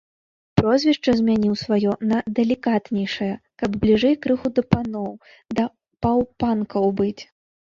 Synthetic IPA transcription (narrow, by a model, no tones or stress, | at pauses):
pɾɔzʲvʲiʂt͡ʂɐzʲmʲanʲiwsvajɔnɐd̪ɛlʲikat̪nʲɛjʂɐjɐkɐbblʲiʐɛjkɾɨxud̪ɐpanɔw | d̪ɐ | pawpankɐwbɨt͡sʲ